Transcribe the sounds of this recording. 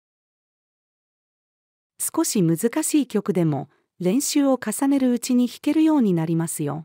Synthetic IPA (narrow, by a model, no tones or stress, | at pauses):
sɨ̥ko̞ɕimɯ̟zɨkaɕiːkʲo̞kɯ̟d̪e̞mo̞̰ | ɾẽ̞ɰ̃ɕɨːo̞kasane̞ɾɯ̟ɯ̟t͡ɕiɲ̟içi̥ke̞ɾɯ̟jo̞ːɲ̟inaɾʲimasɨjo̞